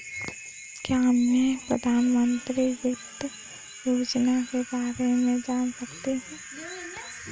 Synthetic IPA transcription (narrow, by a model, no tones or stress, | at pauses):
kjamẽpɾə̰d̪ʱaːnmə̃nt̪ɾiʋɪt̪ | joːd͡ʒnakebaːɾemẽd͡ʒaːnsɐk̚t̪eɦɛ̃ː